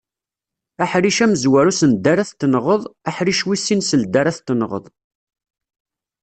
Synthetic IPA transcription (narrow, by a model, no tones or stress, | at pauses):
æħɾiʃæməzwæɾusənd̪aɾæθt̪ːənʁəðˤæħɾiʃwisːinsəld̪aɾæθt̪ːənʁə̰ðˤ